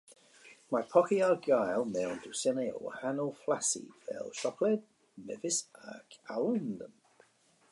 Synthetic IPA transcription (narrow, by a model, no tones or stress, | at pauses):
majpʰɔkiaɡajlˠmɛwndusɪnio̰wə̰hanəlˠflasḭvɛ̰lˠʃɔkʰlɛd̚ | mɛvɪsa̰kʰaləndən